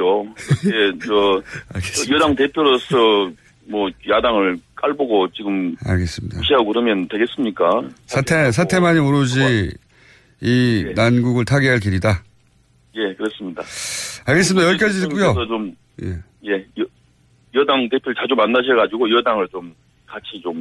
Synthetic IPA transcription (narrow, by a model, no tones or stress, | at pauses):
oet͡ɕʌaɭɡesijʌdaŋte̞pʰjoɾosʰʌ | mwʌjadaŋɯɭk͈aɭboɡot͡ɕiɡɯma̰ɭɡe̞s͈ɯmɲidaɕʰiaɡokɯɾʌmjʌntwe̞ɡes͈ɯmɲik͈asʰatʰes̬ʰatʰe̞maɲimoɾod͡ʑi | nanɡuɡɯɭtʰaɡeɦaɭkiɾida | je̞kɯɾʌs͈ɯmɲidaaɭɡe̞s͈ɯmidajʌɭk͈ad͡ʑiɯk͈ujot͡ɕom | jḛ | je̞ʌ | jʌdaŋtepʰjoɾɯɭt͡ɕad͡ʑomanːaɕʰeɡad͡ʑiɡoijʌdaŋɯɭt͡ɕom | kat͡ɕʰit͡ɕom